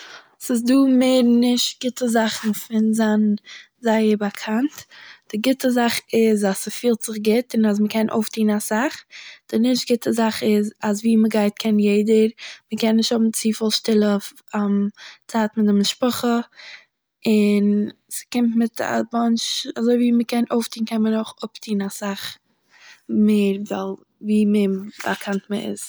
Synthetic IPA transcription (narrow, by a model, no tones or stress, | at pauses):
sɪs̬duːmeɪɾnɪʃtɡ̥ɪtəzaχn̩fɪnzan | zaɪəɾbakʰantd̥ɪɡɪtəzaχɪzasəfiːlˠtz̥ɪχɡɪtɪnas̬məkʰɛnʔo̰ʊftiːnasaχd̥ɪnɪʃtɡɪtəzaχɪzasviːməɡaɪt̚kʰɛnjeɪdəɾməkɛnːɪʃthʊbm̩t͡siːfɪlˠʃtɪlˠə | amt͡saːtmɪdɪmɪʃpɔχə | ɪn | sɪ̥kɪmtmɪta̰mɔnt͡ʃazoɪviːməkɛnoʊftiːn̩kʰɛnmənoʊχʊptiːnasaχ | meɪɾvalˠ | viːmeba̰kʰantməɪ̰z